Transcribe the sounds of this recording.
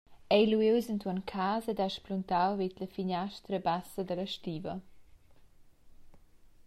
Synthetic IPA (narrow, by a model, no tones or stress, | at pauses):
ɛjluiwzəntwɔnkʰaːzɛdaʃpluntawvidləfiɲaʃtɾəbasəd̪ələʃtiːvə